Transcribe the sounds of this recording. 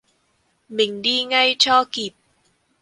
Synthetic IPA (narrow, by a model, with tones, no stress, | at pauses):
mi˨˩ŋdiː˥ŋɐ˥jt͡ʃʰɔː˥kiː˨˩p̚